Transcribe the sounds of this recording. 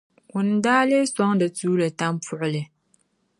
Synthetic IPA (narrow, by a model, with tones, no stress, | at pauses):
ʊ˨n˨daː˦le˦sɔ˦ŋdɨ˨tuː˦lɨ˨ta˦m˦pʊ˦ʔʊ˦lɨ˨